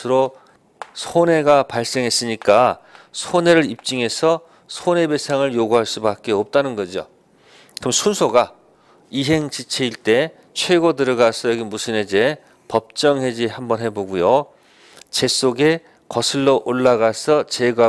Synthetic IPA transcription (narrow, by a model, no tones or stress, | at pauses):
ɯɾo | sʰone̞ɡapaɭs͈e̞ŋɦe̞s͈ɯɲik͈asʰone̞ɾɯɾip̚t͡ɕ͈iŋɦe̞sʰʌ | sʰone̞be̞sʰaŋɯɭjoɡuɦaɭs͈ubak͈̚e̞ʌp̚t͈anɯnɡʌd͡ʑo̰ | kɯɯmsʰunsʰoɡa | iɦe̞ŋt͡ɕit͡ɕʰeiɭt͈e̞ | t͡ɕʰwe̞ɡodɯɾʌɡasʰʌjʌɡimusʰɯned͡ʑe̞ | pʌp̚t͡ɕ͈ʌŋɦe̞d͡ʑihambʌnɦe̞boɡujo | t͡ɕe̞s͈oɡe̞ | kʌsʰɯɭːoʔoɭːaɡasʰʌt͡ɕe̞ɡa